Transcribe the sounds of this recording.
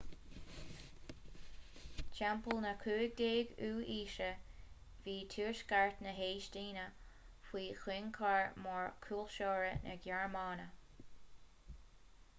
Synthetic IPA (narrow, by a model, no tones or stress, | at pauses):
t͡ʃɛmpəlnəkʰuːɡ̚d̪eːɡuːʔiːʃə | viːtʰuːɹʃɡaɹt̪nəɦeːʃtiːnə | fwiːxwɪŋkʰaɹmɔɹkʰuːlʃoːɹənʔə̰ɡjɛɹmɑːnə